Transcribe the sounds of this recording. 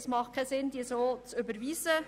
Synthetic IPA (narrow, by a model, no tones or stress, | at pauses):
smɑχkʰɛsɪnd̥iːsoːt͡sʏbəɾʋiːsə